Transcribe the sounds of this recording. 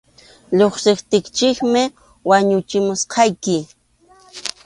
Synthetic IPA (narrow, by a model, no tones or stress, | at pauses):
ʎoχsɪχt̪ɪkt͡ʃɪkmɪ | waɲʊt͡ʃɪmʊsqʰɑjkɪ